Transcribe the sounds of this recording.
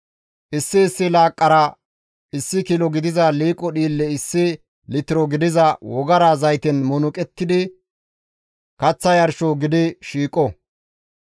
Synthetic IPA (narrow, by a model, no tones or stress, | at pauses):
ʔɪsːɪːsːɪlaːkʼːɐɾɐ | ɪsːɪkilɔɡɪd̪ɪzɐliːkʼɔɗiːlːɛɪsːɪ | lɪt̪ɪɾɔɡɪd̪ɪzɐwɔɡɐɾaːzɐjt̪ɛnmʊnʊkʼɛt̪ːɪd̪ɪ | kɐt͡sːɐjɐɾʃɔɡɪd̪ɪʃiːkʼɔ